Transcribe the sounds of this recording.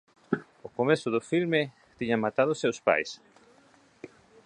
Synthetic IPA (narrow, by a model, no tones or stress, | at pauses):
okomesʊðofilme | t̪iɲamat̪aðosawspa̰js